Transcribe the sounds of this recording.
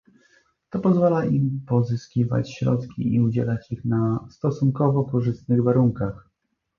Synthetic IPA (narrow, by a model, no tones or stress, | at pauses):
t̪ɔpɔzvalaimpɔzɘskʲiva̰t͡ɕɕɾɔ̰t̪kʲiiud͡ʑɛlat͡ɕixnast̪ɔsuŋkɔvɔkɔʐɘst̪nɘɣvaɾuŋkax